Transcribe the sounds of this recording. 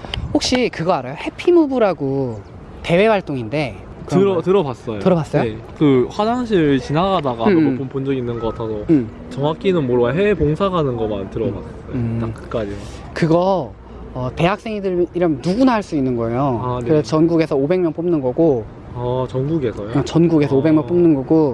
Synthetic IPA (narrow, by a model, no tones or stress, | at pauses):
hok̚ɕ͈ikɯɡʌaɾajohe̞pʰimubuɾaɡo | te̞we̞waɭt͈oŋinde̞ | ɯɾʌtɯɾʌbas͈ʌjotɯɾʌbas͈ʌjoekɯɸwadaŋɕ̬ʰiɾt͡ɕinaɡadaɡaop͈ʰonpond͡ʑʌɡinːɯnɡʌatʰasʰʌ | t͡ɕʌŋak͈ʰinɯnmoɾwaɦepoŋsʰaɡanɯnɡʌmantɯɾʌba̰tʰes͈ʌjtak͈ɯ̥k͈ad͡ʑikɯɡʌ | ʌte̞ɦak̚s͈eŋidɯɾiɾʌmnuɡunaɦaɭs͈uinːɯnɡʌejoɯɾest͡ɕʌnɡuɡe̞sʰʌobe̞ŋmjʌnp͈omnɯnɡʌɡo | at͡ɕʌnɡuɡe̞sʰʌjot͡ɕʌnɡuɡe̞sʰʌobe̞ŋmjʌnp͈omnɯnɡʌɡo